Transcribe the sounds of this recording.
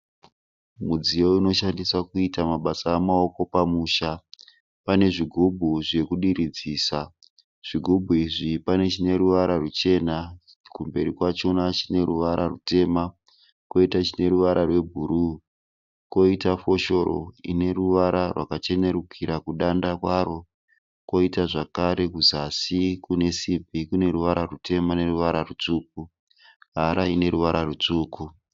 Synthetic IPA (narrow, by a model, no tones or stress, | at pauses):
mud͡zijo̞ino̞ʃandiswakuitamaɓasaːmao̞ko̞pamuːʃa | pane̞ʐiɡʱobʱuʐe̞kuɗiɾid͡ziːsa | ʐ̥iɡʱobʱuiʐipane̞t͡ʃine̞ruʋaɾarut͡ʃe̞na | kumbe̞ɾikwat͡ʃonat͡ʃine̞ɾuʋaɾarute̞ːma | ko̞itat͡ʃine̞ruʋaɾʔarwe̞bʱuɾuː | ko̞itafo̞ʃo̞ro̞̰ine̞ruʋaɾarwa̰kat͡ʃe̞ne̞ɾukʰiɾakuɗandakwaro̞ | ko̞itaʐakaɾe̞kuzasikune̞sibʱikune̞ɾuʋaɾarutʰe̞mane̞ruʋaɾarut͡ʂuːk̚u | ɦaɾaine̞ɾuʋaɾarut͡ʂuːku